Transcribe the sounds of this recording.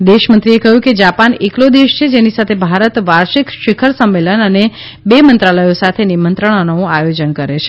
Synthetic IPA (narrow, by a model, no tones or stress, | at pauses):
d̪eʃmə̃nt̪ɾiekəɦjũked͡ʒapaneklod̪eʃt͡ʃʰed͡ʒenisat̪ʰebʱaɾət̪ʋaɾʃikʃɪkʰəɾsəmːelənəne | bemənt̪ɾaləjosat̪ʰenimənt̪ɾəɳ̃anoõajod͡ʒənkəɾet͡ʃʰe̥